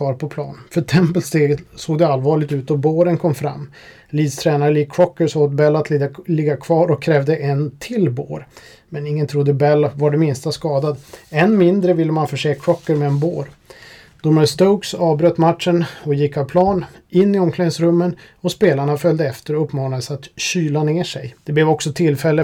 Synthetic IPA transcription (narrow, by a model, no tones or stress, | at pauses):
ɑːɾpʰɔpʰlɑ̰ːnfœʈʰɛmpəlst̪eːɡsoːɡd̪ɛalvɑːɭɪɡt̪ʉ̟ːt̪̚ɔboːɾənkʰɔmfɾa̰mː | liːd̪st̪ʰɾɛːnaɾəɭiːkʰɾɔkːəɾsoːat̪bɛlːat̪ʰllɪɡːakʰvɑːɾɔkʰːɾɛːvd̪əʔɛnt̪ʰɪlbo̰ːɾ | mɛnɪŋːənt̪ʰɾʊd̪ːəbɛlːvaɖɛmɪnst̪askɑːd̪ad̪ɛnmɪnd̪ɾəvɪlːəmanfœʂeːkʰɾɔkːəɾmɛːnboːɾ | d̪̥ʊmast̪oʊksɑːvbɾøt̪ːmat̪ʂənɔjɪkːavpʰlɑːn | ɪnːɪɔmkʰlɛŋsɾɵmːən | ɔspeːlaɳafœld̪əɛft̪əɾɔɵpːmɑːnad̪əsat̪ɕyːlaneːʂɛjd̪̥ɛblɛːvɔksɔt̪ʰɪlfɛlːə